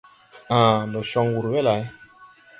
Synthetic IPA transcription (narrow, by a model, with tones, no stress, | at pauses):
ã˨ndɔ˨ʃɔ˦ŋwu˨ɾwɛ˦la˨j